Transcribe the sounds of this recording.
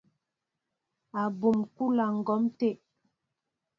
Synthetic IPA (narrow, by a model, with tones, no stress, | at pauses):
a˨bu˨mku˦la˨ŋ̩˨ɡɔ˨˦mte˦˨ʔ